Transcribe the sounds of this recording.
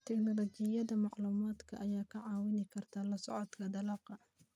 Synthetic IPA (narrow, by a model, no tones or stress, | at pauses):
t̪ʰɛknɔlɔt͡ʃɪjɐðɐmɑʕluːmaːd̪kʰɐ̰ʔɐjaːkʰɐʕɑːwɪnɪkʰɐrt̪ʰaːlɐsɔ̰ʕɔd̪kʰɐd̪ɐlɑːqɑ